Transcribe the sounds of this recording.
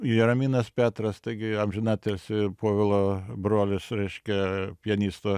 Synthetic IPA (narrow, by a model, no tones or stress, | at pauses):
irɐmʲiːnɐspʲæːt̪ɾɐst̪ɐɪɡʲɪɐmʲʒʲɪnɑt̪ʲɛlsʲɪpoːʋʲɪlˠoːbɾoːlʲɪsɾʲɛɪʃʲkʲɛpʲiɛnʲiːst̪oː